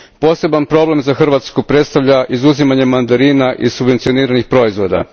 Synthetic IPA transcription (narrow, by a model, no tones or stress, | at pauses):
po̞ːse̞banpɾo̞ble̞mzaxr̩ʋat̪skupɾe̞t̪st̪aʋʎaʔizuzimaɲemːand̪aɾinaʔisubʋe̞nt̪sio̞niːɾanixpɾo̞izʋo̞d̪a̰